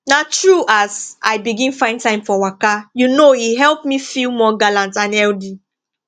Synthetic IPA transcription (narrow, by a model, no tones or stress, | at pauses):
natɹuʔasaɪbiɡĩnfãɪ̃ntãɪ̃mfɔwakajunoiɦɛlˠpmifilmɔɡalãntãnɛldi